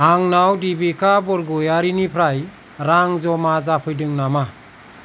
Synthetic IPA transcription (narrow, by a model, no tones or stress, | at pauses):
aŋnawdibikʰabɔɾɡɔjaɾinipʰɾaj | ɾaŋzɔmazapʰɯjdɯŋnama